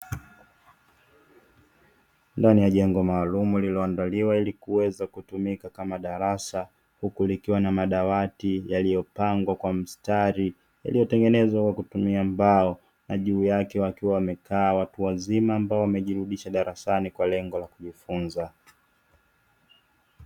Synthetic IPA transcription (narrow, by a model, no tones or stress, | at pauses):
ndanijaʄɛŋɡɔmaːlumulilɔandaliwailikuwɛzakutumikakamaɗaɾasa | hukulikiwanamaɗawatijalijɔpaŋɡwakwam̩staɾi | ja̰lijɔtɛŋɡɛnɛzwakwakutumiambaɔ | naʄuːjakɛwakiwawamɛkaːwatuwazimaːmbaɔwamɛʄiɾuɗiʃaɗaɾasanikwalɛŋɡɔlakuʄifunza